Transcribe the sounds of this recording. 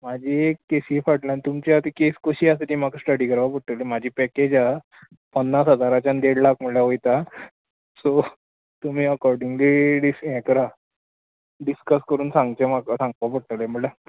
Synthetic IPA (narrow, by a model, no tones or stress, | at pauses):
mad͡ʑʱikkːesiːfaʈlãnt̪umt͡ɕat̪ekeskəɕiːasət̪im̤akəsʈəɽiːkəɾʋapəɽʈ̪əlemad͡ʑʱiːpɛked͡ʑa | pənːasɦəd͡zaɾat͡ɕãnd̪eɽlakm̤əɭɭjaɦojt̪a | so | t̪um̤iːəkɔɾɖiŋɡliɖisɦɛ̃kəɾa | ɖiskəskəɾuːnsãŋɡt͡ɕemakəsãŋɡʋapəɽʈ̪əlem̤əɽla